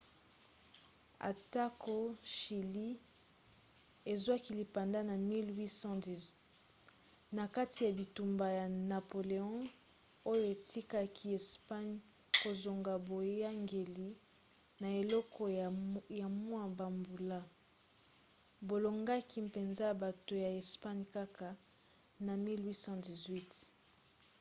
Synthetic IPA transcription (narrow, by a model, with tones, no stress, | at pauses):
a̰˨ta˦ko˦ʃi˨li˦ | e˨zwa˦ki˦li˨pa˨nda˦na˨mi˦lwi˦sɑ̃˦di˨z | na˨ka˦ti˨ja˨bi˨tu˨mba˨ja˨na˨po˨le˨ɔ̃˦ | o˦jo˦e˨tʰi˦ka˦kʰi˦e˨spa˦ɲ | ko˨zo˨ŋɡa˨bo˨ja˦ŋɡe˨li˦ | na˨e˨lɔ˦kʰɔ˦ja˨mwa˦ba˨mbu˨la˦ | bo˨lo˨ŋɡa˦ki˦mpe˨nza˦ja˨ba˨to˨ja˨e˨spa˦ɲka˦ka˨ | na˨mi˦lwi˦sɑ̃˦di˨zwi˦t